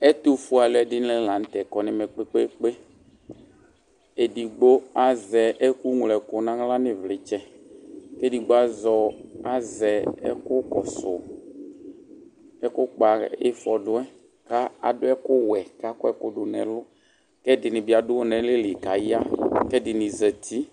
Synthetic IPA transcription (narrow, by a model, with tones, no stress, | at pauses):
ɛ˦t̪o˦fu˦a˨lʊ˦ɛ˨dɪ˦n˦lɛ˦˨lã˨n̩˨˦t̪ɛ˨kɔ˨nɪ̃˨mɛ˨k͡pe˦k͡pe˦k͡pe˦ | e˨di˨ɡ͡bo˦a˨zɛ˨ʔɛ˦ku˦ŋ˨lɛ˨kʊ˨nã˦ŋlã˦nɪ̃˨vlɪ˨t͡ʃɛ˦ke˦di˨ɡ͡bo˦a˦zɔ˨a˨zɛ˨ɛ̰˦kʊ˦kɔ˨sʊ̰˨ | ɛ˦kʊ˦k͡pa˨ɪ̰˦fɔ˨dʊ˦ɛ˦ | ka˦a̰˨dʊ˦ɛ˦kʊ˦wɛ˨ka˦kʊ˦ɛ˦kʊ˦ɖʊ˨nɛ̃˨lʊ˦ | kɛ˦dɪ˨nɪ˨bi˨a˨dʊ˦wo˦nɛ̃˨˦lɪ˦lɪ˨ka˨ja˦kɛ˦dɪ˨nɪ̃˨zɛ˨t̪ʰi˦